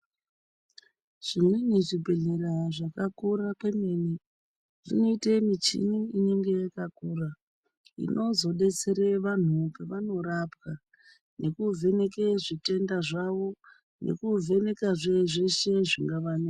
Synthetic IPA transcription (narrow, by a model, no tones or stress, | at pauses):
ʐ̥imweniʐibʱeɮeɾaʐakakurakwe̞meni | ʐ̥ino̞itemit͡ʃḭniineŋɡe̞jakakuːra | ḭnʔo̞zo̞ɗe̞t͡seɾeʋan̤upeʋano̞rapka | ne̞kuvʱe̞ne̞keʐite̞ndaʐaʋo̞ | nʔe̞̰kuvʱe̞ne̞kaʐeʐeʃe̞ʐiŋɡaʋanea